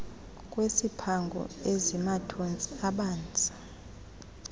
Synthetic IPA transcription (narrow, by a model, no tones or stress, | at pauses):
kʼwesipʰaŋɡʱɔ̰ezimatʰont͡sʼiaɓaːnd͡zʼʱḁ